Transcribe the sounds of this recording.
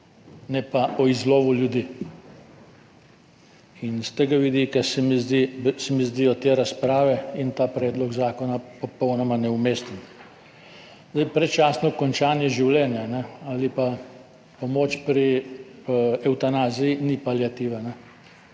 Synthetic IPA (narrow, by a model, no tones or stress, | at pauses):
nɛpaʔɔizloːʋuljud̪i | inst̪eɡaʋid̪ikasɛmizd̪isɛmizd̪iɔt̪eːɾaspɾaːʋɛint̪aːpɾɛːd̪lɔɡzaːkɔnapɔpɔwnɔmanɛumeːst̪ɛn | zd̪ajpɾɛt͡ʃasnɔkɔnt͡ʃaːnjɛʒiwlɛnjanɛalipa | pomoːt͡ʃpɾi | ɛwt̪anaːzijinipaljat̪iʋanɛ